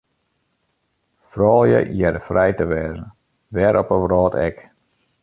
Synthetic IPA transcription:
frɔːlˠjə̰ʔjɛɾəfrɛjtəʋɛːzn | ʋɛɾʔɔpəʋrɔːtʰɛ̰k

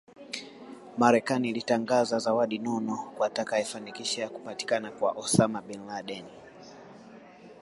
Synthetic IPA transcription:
maɾɛkaniːlitaŋɡazazawaɗinɔnɔkwatakaifanikiʃajaku̥pati̥kanakwa̰ʔɔsamaɓɛnlaɗɛni

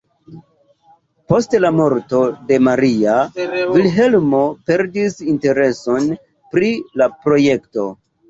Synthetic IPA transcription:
po̞stlamo̞ɾto̞de̞maɾiavilɦe̞lmo̞pe̞ɾdisinte̞ɾe̞so̞n | pɾilapɾo̞je̞kto̞̰

